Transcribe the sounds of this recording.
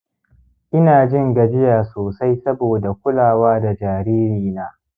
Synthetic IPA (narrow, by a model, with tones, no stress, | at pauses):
ʔɪ˦naː˨d͡ʒɪ˦˨ŋɡɐ˨d͡ʒɪ˦jaː˨soː˨sa˦jsɐ˦boː˨da˨kʷʊ˦laː˨waː˦da˨d͡ʒaː˨ɾiː˦ɾiː˨naː˦